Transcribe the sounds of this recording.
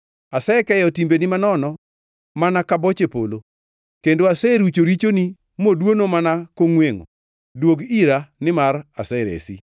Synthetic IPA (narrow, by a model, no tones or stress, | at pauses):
asɛkɛjɔtimbenɪmanɔnɔ | manakabɔt͡ʃepolo | kendoasɛɾut͡ʃoɾit͡ʃoni | modwonomanakoŋweŋo̰ | dwoɡiɾanɪmarasɛɾḛsḭ